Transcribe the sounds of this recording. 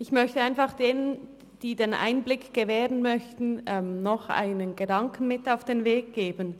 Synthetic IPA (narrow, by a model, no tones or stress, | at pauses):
ɪçmœçtəaɪnfaχd̥eːnən | d̥iːdeːnʔa̰ɪnblɪkɡ̥əvɛːʁənmœçtn̩ɛmnɔχʔa̰ɪnənɡədaŋkn̩mɪtaʊfd̥eːnveːk̚ɡ̥eːbən